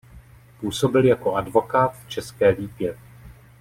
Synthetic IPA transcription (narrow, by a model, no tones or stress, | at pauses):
puːso̞bɪljako̞advo̞kaːt̪ft͡ʃɛskɛːviːbjɛ